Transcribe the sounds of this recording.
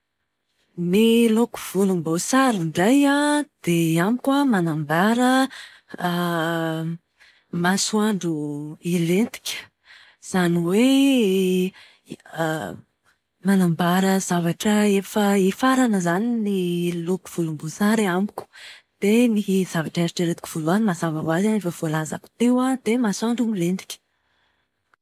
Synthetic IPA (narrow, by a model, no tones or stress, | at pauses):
niluku̥v̥ulumbosaɾiɳɖ͡ʐajad̪̥eamikʲamanambaɾə | masuwaɳɖ͡ʐuilent̪i̥kʲə̥ | z̥aniwe | manambaɾəzavaʈ͡ʂəefəifaɾanəzaniniluku̥v̥ulumbuzaɾeamuku̥d̪̥eniɦzavaʈ͡ʂeɾiʈ͡ʂeɾet̪ikʲi̥v̥uluanimazavavwazanefəv̥olaza̰ku̥t̪ewad̪emasuaɳɖ͡ʐumilend̪i̥kʲə̥